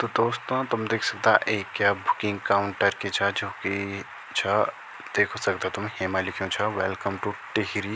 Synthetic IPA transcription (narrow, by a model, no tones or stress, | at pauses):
t̪od̪oːst̪õt̪ʊmd̪eːkʰsɐk̚t̪a̰ʔeːkːjabʱʊkɪ̃ŋɡkaːʊ̃ɳʈəɾket͡ʃʰad͡ʒoːki | t͡ʃʰa | d̪̥eːkʰosɐkt̪at̪ʊmɦemalɪkʰijõt͡ʃʰaʋɛlkəmʈuʈeɦɾi